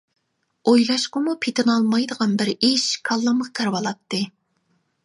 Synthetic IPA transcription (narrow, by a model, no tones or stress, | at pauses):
ojlˠɑʃqəmupʰet̪ʰɪnɑlˠmɑjd̪əʁɑnbɪɾiʃkʰɑlˠːəməʁkʲʰæɾwɑlˠɑt̪ːɨ